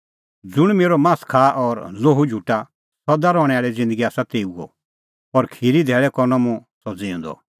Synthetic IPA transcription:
d͡zʊɽ̃meːɾɔmãːskʰaːʔɔɾloɦud͡ʒʱuʈa | sɔd̪aɾɔːɽ̃ɛ̃aːɭɛd͡zɪ̃nd̪əɡiaːsat̪eːuɡɔ̰ | ɔɾkʰiɾid̪ʱɛːɭɛkɔɾnɔmũsɔd͡ziʊ̃nd̪ɔ̰

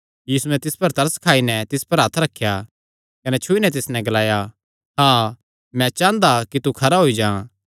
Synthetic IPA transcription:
jiːsuɛ̃t̪ɪspɐɾt̪ɐɾəskʰaːinɛt̪ɪspɐɾɦat̪ʰɾɐkʰːja | kɐnɛt͡ʃʰʊinɛ̃t̪̬ɪsnɛ̃ɡɐlaːja | ɦãː | mɛ̃t͡ʃãːnd̪akit̪ukʰɐɾaɦoːid͡ʒãː

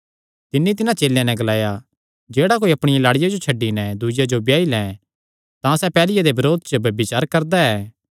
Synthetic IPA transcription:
t̪ɪnːit̪ɪnãt͡ʃeːljãnɛ̃ɡɐlaːja | d͡ʒeːɽakoːiɐpɽ̃ɪjalaːɽɪjad͡ʒot͡ʃʰɐɖːinɛd̪ʊd͡ʒad͡ʒobjaːilɛ̃ː | t̪ãsɛpɛːlɪjad̪ebɐɾoːd̪̚t͡ʃəbɐbɪt͡ʃaːɾkɐɾd̪aɛː

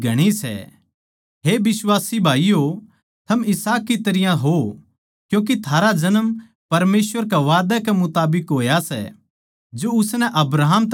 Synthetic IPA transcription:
ɡʱɐɽ̃isɛ̰ | ɦebɪswaːsibʱaːijo | t̪ʰɐmɪsaːkːit̪ɐɾɪjãɦo | kjũːk̬it̪ʰaːɾad͡ʒɐnəm | pɐɾmeːsʋəɾk̬ɛʋaːd̪ɛkɛmʊt̪aːbɪkɦoːjasɛ̰ | d͡ʒoʊsnɛʔɐbɾaːɦmt̪

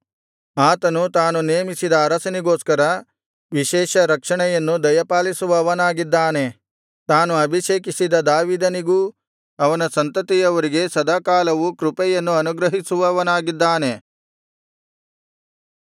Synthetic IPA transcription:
aːt̪ɐnut̪aːnuneːmisid̪ɐːɾɐsɐniɡo̞ːskɐɾɐ | ʋiʃɛːʃɐɾɐkʂɐɳɛjɐnːud̪ɐjɐpaːlisuʋɐʋɐnaːɡid̪ːaːne̞ | t̪aːnuɐbʱiʃeːkisid̪ɐd̪aːʋiːd̪ɐniɡuː | ɐʋɐnɐsɐnt̪ɐt̪ijɐʋɐɾiɡe̞sɐd̪akaːlɐʋukɾupɛjɐnːuɐnuɡɾɐɦisuʋɐʋɐnaːɡid̪ːaːne̞

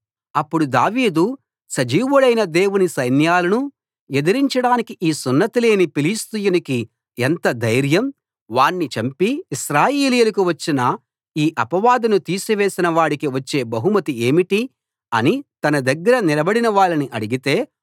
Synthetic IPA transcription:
ɐpːuɽud̪aːʋiːd̪u | sɐd͡ʒiːʋuɽɐjnɐd̪e̞ːwunisɐjnjaːlɐnu | ɛd̪ɐɾiɲt͡ʃɐɽaːnikiʔiːsunːɐt̪ile̞ːnipilist̪ujuniki | ɛnt̪ɐd̪ɐjɾjɐm | ʋaːɳːit͡ʃɐmpiːʃɾaːjeːlijulɐkuʋɐt͡ʃːinɐ | iːʔɐpɐʋaːd̪ɐnut̪iːsuʋe̞ːsinɐʋaːɽikiʋɐt͡ʃːe̞ːbɐɦumɐt̪ieːmiʈi | ɐnit̪ɐnɐd̪ɐɡːɐɾɐnilɐbɐɽinɐʋaːɭːɐniʔɐɽiɡit̪e̞ː

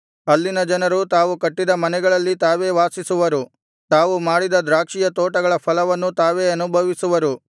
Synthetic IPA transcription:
ɐlːinɐd͡ʒɐnɐɾut̪aːʋukɐʈːid̪ɐmɐnɛɡɐɭɐlːit̪aːʋe̞ːʋaːsisuʋɐɾu | t̪aːʋumaːɽid̪ɐd̪ɾaːkʂijɐt̪oːʈɐɡɐɭɐpʰɐlɐʋɐnːut̪aːʋe̞ːɐnubʱɐʋisuʋɐɾu

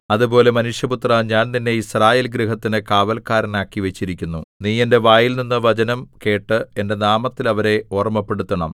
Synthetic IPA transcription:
ɐðupo̞ːle̞mɐnuʂjɐput̪rɐɲaːnt̪inːe̞israːje̞ːlɡɾiɦɐt̪ːinɨkaːʋɐlkaːɾɐnaːkːiʋe̞t͡ɕːiɾikʲːunːuniːe̞nde̞ʋaːjilninːɨʋɐt͡ɕɐnɐmke̞ːʈːɨe̞nde̞naːmɐt̪ːilɐʋɐɾe̞orɐmːɐpːe̞ɽut̪ːɐɳɐm

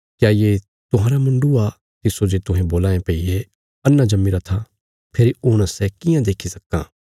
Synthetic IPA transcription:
kjaːje | t̪ʊɦãːɾamʊ̃ɳɖua | t̪ɪsod͡ʒet̪ʊ̃ɦɛ̃boːlaːẽpɐie | ɐnːãd͡ʒɐmːiɾat̪ʰa | pʰeːɾiʊɽ̃əsɛkɪjãd̪eːkʰisɐkːã̰ː

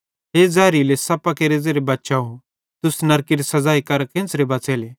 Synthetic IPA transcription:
ɦeːd͡zɛːɾilesɐpakeɾeːzeɾebɐtːʃaɦũ | t̪ʊsnɐɾkiɾisɐd͡zaːikɐɾkʰẽnsɾebɐːt͡seːle

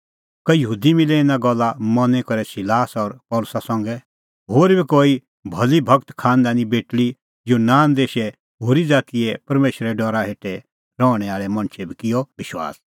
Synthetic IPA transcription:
kɐjɐɦuːd̪imɪlɛɪ̃naɡɔlːamɐnɛkɐɾɛsɪlaːsɔɾpɔːlʊsasɐ̃ŋɡɛ | ɦoːɾbʱikoːi | bʱɐlibʱɐkt̪kʰãːnd̪aːnibeːʈɭi | jonaːnd̪eːʃɛ | ɦoːɾid͡zaːt̪ijɛpɐɾmeːʃɾɛɖɔɾaɦeːʈɛ | ɾɔːɽ̃ɛaːɭɛmɐ̃ñt͡ʃʰɛbʱikɪjɔʋɪʃwa̰ːs

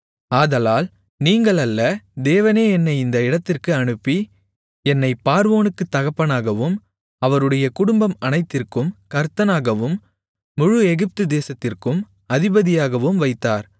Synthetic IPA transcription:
aːðɐlaːl | niːŋɡɐɭɐlːɐd̪eːʋɐneːɛnːɐɪɪnd̪ɐɪɽɐt̪ːɪrkɯɐɳɯpːi | ɛnːɐɪpːaːɾʋoːnɯkːɯt̪ːɐɣɐpːɐnaːɣɐʋɯm | ɐʋɐɾɯɽɐjɐkʊɽʊmbɐmɐnɐɪt̪ːɪrkɯmkɐɾt̪ɐnaːɣɐʋɯmː | ʊɻʊɛɣɪp̚t̪ɯd̪eːsɐt̪ːɪrkɯm | ɐðɪbɐðɪjaːɣɐʋɯmʋɐɪt̪ːaːɾ

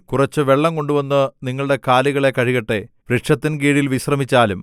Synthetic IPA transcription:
kurɐt͡ɕːɨʋeɭːɐmko̞ɳɖuʋɐnːɨniŋːɐɭuɽe̞kaːliɣɐɭe̞kɐɻiɣɐʈːe̞ | ʋɾiʈʂɐt̪ːinɡiːɽilʋiɕrɐmit͡ɕːaːlum

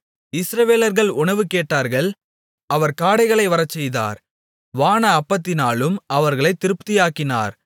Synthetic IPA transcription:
ɪsɾɐʋeːlɐɾɣɐɭʊɳɐʋɯkeːʈːaːɾɣɐɭ | ɐʋɐɾkaːɽɐɪɣɐɭɐɪʋɐɾɐt͡ʃːɛjða̰ːɾ | ʋaːnɐːpːɐt̪ːɪnaːɭɯmɐʋɐɾɣɐɭɐɪt̪ːɪɾɯpt̪ɪjaːkːɪna̰ːɾ

